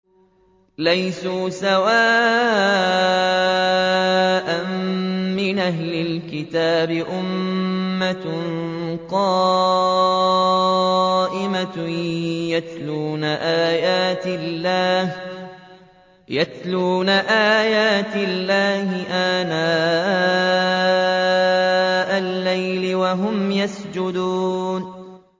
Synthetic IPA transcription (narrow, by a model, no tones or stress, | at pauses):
lajsuːsawaː | ʔamː | ɪnʔaɦlɪlkɪt̪aːbɪʔʊmː | a | qɑː | ʔɪma | jat̪luːnaʔaːjaːt̪ɪlːaːh | jat̪luːnaʔaːjaːt̪ɪlːaːhɪʔaːnaː | ʔalːajlɪwaɦʊmjasd͡ʒʊd̪uːn